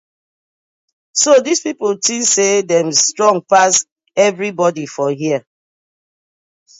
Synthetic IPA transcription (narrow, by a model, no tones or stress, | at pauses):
sodispipltĩsedɛ̃mstɹɔ̃ŋɡ̚pas | ɛvɹibɔdifɔɦiə